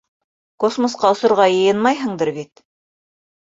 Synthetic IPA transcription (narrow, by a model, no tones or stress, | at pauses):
kosmosqɑŏsŏɾʁɑjɤ̆jɤnmɑjɦɤ̆ɴd̪ɤɾβit̪